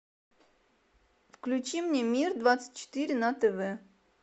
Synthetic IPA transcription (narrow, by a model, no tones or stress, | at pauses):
fklʲʉt͡ɕimnʲemʲird̪vat̪sə̥t̚ʲt͡ɕːɪ̥t̪ɨɾʲɪnɐt̪ɛvɛ